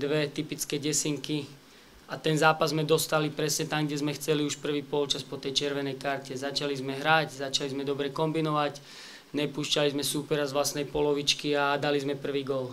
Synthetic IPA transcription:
d̪ʋɛt̪ipit͡skɛɟɛsiŋki | at̪ɛnzaːpazːmɛd̪ɔst̪alipɾɛsɲɛt̪aŋɡɟɛzmɛxt͡sɛliuʃpr̩ʋiːpɔlt͡ʃaspɔt̪ɛjt͡ʃɛɾʋɛnɛjkaɾcɛzat͡ʃalizmɛɦɾaczat͡ʃalizmɛd̪ɔbɾɛkɔmbinɔʋac | ɲɛpuːʃcalizmɛsuːpɛɾazʋlasnɛjpɔlɔʋit͡ʃkiad̪alizmɛpr̩ʋiːɡɔl

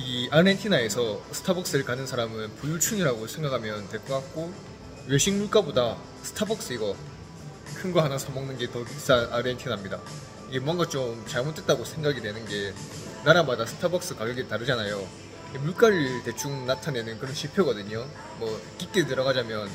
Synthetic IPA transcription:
iaɭentʰinae̞sʰʌsʰɯ̥tʰabʌk̚s͈ɯɾɯɭkanɯnsʰaɾamɯnpujut͡ɕʰuŋiɾaɡosʰe̞ŋɡakʰamjʌntwe̞k͈ʌk͈ak̚k͈o | ɥe̞ɕʰiŋmuɭk͈aboda | sʰɯ̥tʰabʌk̚s͈ɯiɡʌ | kʰɯnɡʌɦanasʰʌmʌŋnɯnɡe̞tʌis͈anaɾentʰinamɲida̰ | iɡe̞mʌnɡat͡ɕ͈omt͡ɕaɭmot͈ʰːet͈aɡosʰe̞ŋɡaɡidwe̞nɯnɡe̞ | naɾamadasʰɯ̥tʰabʌk̚s͈ɯkaɡjʌɡetaɾɯd͡ʑanajo | iɡemuɭk͈aɾɯte̞t͡ɕʰuŋnatʰane̞nɯnkɯɾʌnɕʰipʰeɡʌdɯɲo | mʌk͈ik͈etɯɾʌɡad͡ʑamjʌn

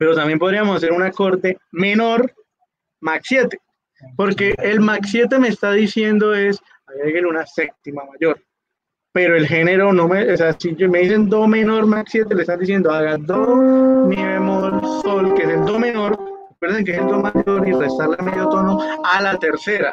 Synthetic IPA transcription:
pe̞ɾo̞t̪ambje̞mpo̞ðɾiamo̞sas̬e̞ɾunako̞ɾt̪e̞me̞no̞ɾ | maksjet̪e | po̞ɾke̞ʔːlmaksje̞t̪̬e̞meːst̪aðisje̞nd̪o̞e̞s | aeɣelunasek̚t̪imamaʝo̞ɾ | pe̞ɾo̞e̞lxe̞ne̞ɾono̞meoseasimeðise̞nd̪ome̞no̞ɾmaksje̞t̪e̞leest̪and̪isje̞nd̪oaɣad̪omeβemolsolkeeseld̪o̞me̞no̞ɾ | akweɾðeŋk̬eseld̪omaʝo̞ɾirest̪aɾlemeðjot̪o̞no̞alat̪e̞ɾse̞ɾa

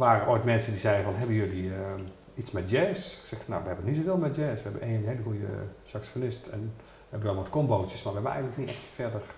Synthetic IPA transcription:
ʋaːrəʔojtmɛnsəndizɛjəfɔnɦɛbənjøliə | itsmɛt̚jɛːssɛxfno̰ʋəhɛbənːitsoveːlˠmɛt̚jɛːsʋəɛbənʔeːnɦeːləxujə̰saksjonɪstɛ̰n | ʋɛbənjlˠʋɔtkomboːtjəsmarʋəɛbənɛ̰jɣənlək̚nitɛxtfɛdər

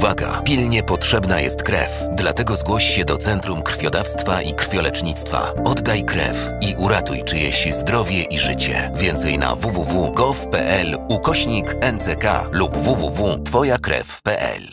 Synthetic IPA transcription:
vaɡa̰pʲilɲɛpɔtʂɛbnajɛst̪kɾɛ̰f | d̪lat̪ɛɡɔzɡwɔɕiɕɛd̪ɔt̪sɛnt̪ɾumkr̥fʲjɔd̪afst̪faʔikɾ̥fʲjɔlɛt͡ʂɲit̪st̪fa̰ɔd̪ːajkɾɛ̰f | iʔuɾat̪ujt͡ʂɨjɛ̰ɕizd̪ɾɔvʲjɛʔiʐɘt͡ɕɛ̰vʲjɛnt̪sɛjna̰vuvuvuɡɔfpɛ̰ʔɛlukɔɕɲikɛnt̪sɛka̰lubːuvuvut̪fɔjakɾɛ̰fpɛʔɛ̰l

